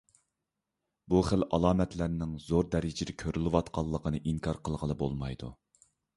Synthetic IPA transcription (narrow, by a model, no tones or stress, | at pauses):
buχəlɑ̰lˠɑːmɛt̪ʰlæɾnɪŋzoɾd̪ɛɾɪd͡ʒɪd̪ɛkʲʰøɾylɪwɑt̪qʰɑlˠːəqənɨʔiŋkʰɑɾqʰəlˠʁənˠɨbo̰lˠmɑjd̪ṵ